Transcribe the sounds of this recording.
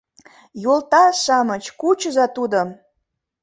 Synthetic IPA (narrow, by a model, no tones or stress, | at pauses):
jolt̪ɑʃɑmət͡ɕkut͡ɕəzɑt̪ud̪ə̆